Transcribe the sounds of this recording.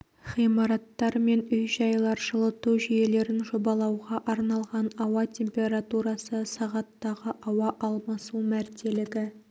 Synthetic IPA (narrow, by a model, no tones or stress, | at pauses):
χijmɑɾɑt̪ːɑɾme̞nʏjʒɑjlˠɑɾʒəlˠət̪uʒije̞le̞ɾɪnʒo̞bɑlˠɑwʁɑʔɑɾnɑlˠʁɑnɑwɑtʲʰe̞mpʲe̞ɾat̪uɾɑsəsɑʁɑt̪ːɑʁəʔɑwɑʔɑlˠmɑsumæɾt̪ʰe̞lɪɡʲɪ